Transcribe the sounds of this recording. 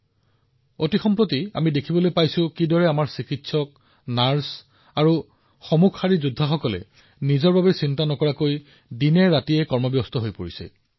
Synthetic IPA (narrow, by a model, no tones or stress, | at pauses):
otixɔmpɹotia̰midekʰibɔlojpajsʊ̃kidɔɹɛamaɹsikitsɔk̚ | naɹs | aɹu | xɔmukʰːaɹizudʱːaxɔkɔlɛ̰ | nizɔɹbabɛsintanɔkɔɹakoj | dinɛɹatiɛkɔɹmɔbjɔstɔɦojpoɹisɛ̰